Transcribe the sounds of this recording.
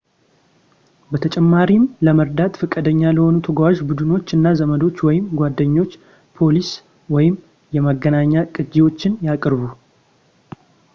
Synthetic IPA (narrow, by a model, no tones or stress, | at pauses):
bət̪ʰət͡ʃʼɛmːaɾimləməɾd̪at̪fɨkʼːəd̪əɲːaləho̞nut̪ʰəɡwaʒbud̪ɨno̞t͡ʃːɨnːazəməd̪o̞t͡ʃːwɔjɪmɡʷwad̪ːəɲːo̞t͡ʃː | pʰo̞lis | wɔjɪm | jɛməɡːənaɲːakʼɨd͡ʒewo̞t͡ʃːɪnjakʼɾβu